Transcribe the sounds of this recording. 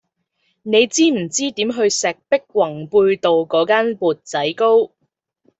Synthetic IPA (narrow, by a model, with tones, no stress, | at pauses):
ne˨˧jt͡siː˥m̩˨˩t͡siː˥t̪iː˨˥mɦɵ˧ɥsɛː˨k̚pɪ˥k̚wɐ˨˩ŋpuː˧jt̪o˨wkɔː˨˥kaː˥npuː˨˩t̚t͡sɐ˨˥jko˥w